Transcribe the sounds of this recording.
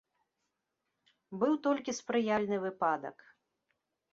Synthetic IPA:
bɨwt̪ɔlʲkʲispɾɨjalʲnɨvɨpad̪ɐ̰k

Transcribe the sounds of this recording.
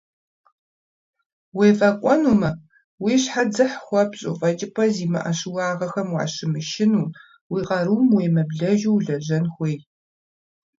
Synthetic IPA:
weːfʼɐkʷʼɔnuːmɐ | wiːɕħad͡zɐħxʷɐpɕʼʊ̰fʼɐt͡ʃʼɪpʰɐziːmɐ̰ʔɐɕɪwɑːʁɐxɐmwa̰ːɕɪmɨʃɪnuː | wiːqɐɾuːmweːmɐbɮɐʒuwɮɐʑɐnxʷeːj

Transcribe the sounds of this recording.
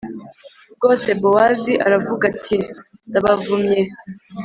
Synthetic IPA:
ɡo̞ːse̞bowaziʔaɾavuɡatʰindaβavumɲe

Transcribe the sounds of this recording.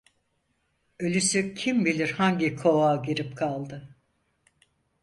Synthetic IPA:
ølʲysycʰimbilʲiɾhaɲɟikʰo̞aːɟiɾipkʰalˠd̪ɯ

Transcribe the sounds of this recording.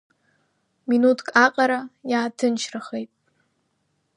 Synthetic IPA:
minutʰkʼaqʼaɾajaːtʰɨnʃʰrɨχejtʼ

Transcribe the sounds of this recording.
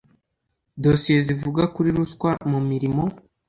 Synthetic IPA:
do̞sije̞zivuɡakuɾiɾuskwamumiɾimo̞

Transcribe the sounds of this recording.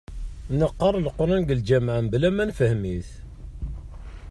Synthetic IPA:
nəqːɑrˤəlqɾˤɑnɡəld͡ʒæmʕəmblæmænfəhmiθ

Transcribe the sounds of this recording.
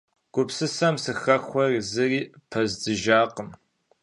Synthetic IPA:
ɡ̥ʷʊpsɨsɐmsɨxɐxʷɔrzɨriːpʰɐzdɨʒaːqəm

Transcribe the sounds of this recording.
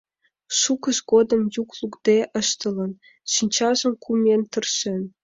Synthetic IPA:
ʃukə̆ʃɡod̪ə̆mjuklˠukd̪̥eʔə̆ʃt̪ə̆lə̆n | ʃinʲt͡ɕɑʒə̆mkʰumʲent̪ə̆rʃen

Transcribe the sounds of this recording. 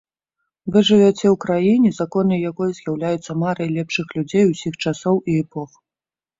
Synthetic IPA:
vɛʐɨvʲat͡sʲɛwkɾajinʲɛzakɔnɨjakɔjɐzjawlʲajut̪sːɐmaɾɐjlʲɛpʂɨxlʲud͡zʲejusʲixt͡ʂasɔwiɛpɔx

